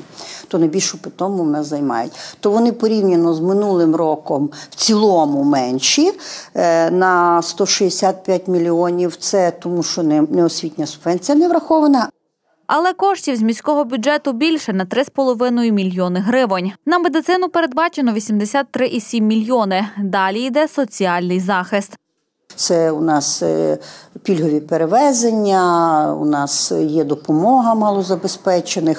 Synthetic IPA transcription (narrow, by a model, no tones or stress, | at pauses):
t̪ɔnɐjbʲilʲʃʊpɪt̪ɔmʊmnɛzɐjmɑ̰jʊ̰tʲt̪ɔʋɔnɪpɔɾʲiwnʲɐnɔzmɪnulˠɪmɾɔkɔmw̥t͡sʲilˠɔmʊmɛnʲʃi | nɐst̪ɔʃiesʲat̪̚pʲjat̚ʲmʲilʲiɔnʲiwt̪sɛt̪ɔmuʃt͡ʃɔnnɛɔsʲʋʲit̪ʲnʲɐsʊbʋɛnʲt͡sʲijɐnɛʋɾɐxɔʋɐnɐ | ɐlˠɛkɔʃtʲiwzʲmʲisʲkɔɦɔbʲʊɛt̪ʊbʲilʲʃɛnɐt̪ɾɪspɔlˠɔʋɪnɔjʊmʲilʲjɔnɪɦɾɪʋɔnʲnɐmed̪ɪt̪sɪnʊpeɾe̞d̪̚bɑt͡ʃenɔʋʲisʲimd̪esʲɑt̪ːɾɪʔisʲimʲːilʲjɔnɪd̪ɑlʲijd̪ɛsɔt͡sʲiɑlʲnɪjzɑxɪst̪ | t̪sɛʊnɑs | pʲilʲɦɔʋʲipeɾeʋɛzenʲːɐṵnɑsjɛd̪ɔpɔmɔɦɐmɑlˠɔzɐbespɛt͡ʃenɪx